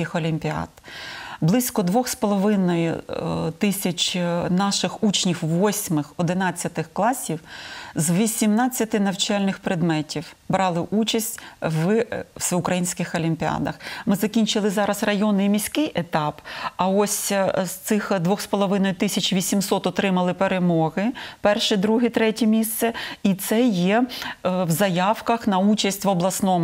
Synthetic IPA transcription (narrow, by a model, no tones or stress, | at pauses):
kɪxɔlʲimʲpʲiɑ̰d̪blˠɪsʲkɔd̪ʋɔxspɔlˠɔʋɪnɔjʊ̰t̪ɪsʲɐt͡ʃʲnɑʃɪxut͡ʃnʲixʋɔsʲmɪxɔd̪ɪnɑt͡sʲːɐt̪ɪxklˠɑsʲiwzʋʲisʲimnɑt͡sʲːɐt̪ɪnɐwt͡ʃalʲnɪxpɾed̪mɛtʲiw | bɾɑlˠɪʔut͡ʃɐsʲtʲʋsʊkɾɐjinʲsʲkɪxɔlʲimʲpʲiɑ̰d̪ɐ̰xmɪzɐkʲinʲt͡ʃɪlˠɪzɑɾɐzrɐjɔnɪjmʲisʲkɪjet̪ɑpɐɔsʲst̪sɪxd̪ʋɔxspɔlˠɔʋɪnɔjʊt̪ɪsʲɐt͡ʃʋʲisʲimsɔt̪ɔt̪ɾɪmɐlˠɪpeɾemɔɦɪpɛrʃɛd̪ɾuɦɛt̪ɾɛtʲɛmʲist̪sɛit̪sɛjɛ | wzɐjɑwkɐxnɐut͡ʃɐsʲtʲʋɔblˠɐsnɔmʊ